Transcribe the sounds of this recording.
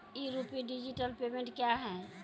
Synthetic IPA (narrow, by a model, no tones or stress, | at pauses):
iɾupiɖid͡ʒiʈəlpemẽɳʈkjaɦɛ